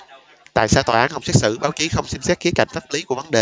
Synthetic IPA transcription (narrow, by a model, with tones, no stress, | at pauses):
t̪a̰ː˧˨jsaː˧wt̪waː˨˩aː˨˦nhə˧wŋ͡msɛ˦˥t̚sɨ̰˧˩ɓaː˨˦wt͡ɕi˨˦xə˧wŋ͡msi˧msɛ˦˥t̚xi˨˦əka̰˧˩jŋ̟fʰaː˦˥p̚li˨˦ku˧˩əvə˨˦nɗe˨˩